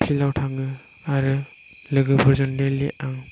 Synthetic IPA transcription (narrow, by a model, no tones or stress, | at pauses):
pʰlilawtʰamlɯ | aɾɯ | lɯɡɯbɯɾzɔndeliʔaŋ